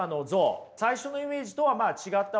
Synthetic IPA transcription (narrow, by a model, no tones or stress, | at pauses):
ano̞zosaiɕo̞no̞ime̞ːʑit̪o̞βamaːt͡ɕiɡat̪ːa